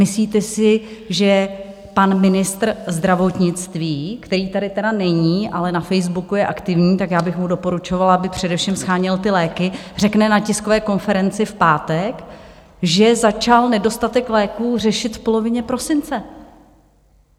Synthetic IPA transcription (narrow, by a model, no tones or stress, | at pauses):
mɪsliːt̪ɛsɪʒɛ | panmɪnɪst̪r̩zd̪ɾavo̞t̪ɲɪt͡st̪viːkt̪ɛɾiːt̪adɪt̪ɛdanɛɲiːʔalɛnafɛjzbukujɛʔakt̪ɪvɲiːt̪akjaːbɪxmudo̞po̞ɾut͡ʃo̞valabɪpr̝̥ɛdɛfʃimsxaːɲɪlt̪ɪlɛːkɪ | r̝ɛknɛnacɪskovɛːko̞nfɛɾɛnt͡sɪfpaːt̪ɛk | ʒɛzat͡ʃalnɛdo̞st̪at̪ɛklɛːkuːr̝ɛʃɪt̪fpo̞lo̞vɪɲɛpɾo̞sɪnt͡sɛ